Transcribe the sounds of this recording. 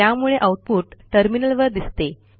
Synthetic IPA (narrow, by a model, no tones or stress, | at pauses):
jamuɭeʔauʈ̚puːʈʈəɾminəlʋəɾd̪ist̪e